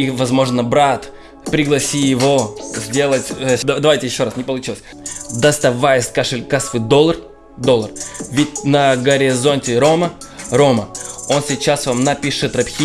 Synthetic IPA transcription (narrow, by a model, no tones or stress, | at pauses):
ivɐzmo̞ʐnəbɾat̪ | pɾʲɪɡlˠɐsʲijɪvo̞zʲdʲe̞lˠətʲd̪ɐd̪ɐvajtʲɪjɪɕːo̞ɾasnʲɪpəlˠʊt͡ɕilˠəsʲ | d̪əst̪ɐvajɪsʲkaʂɨlʲkasfɨd̪olˠːər | d̪olˠːərvʲɪtʲnəɡəɾʲɪzo̞nʲtʲɪɾo̞mə | ɾo̞məo̞nsʲɪt͡ɕːasvamnɐpʲiʂɨt̪ɾɐpʲxʲi